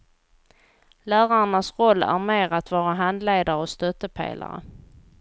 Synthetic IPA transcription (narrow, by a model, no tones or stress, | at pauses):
læːɾaɳasɾɔlːæ̰ɾmeːɾat̪vɑːɾaɦand̪leːd̪aɾəɔst̪œt̪ːəpʰḛːla̰ɾə̰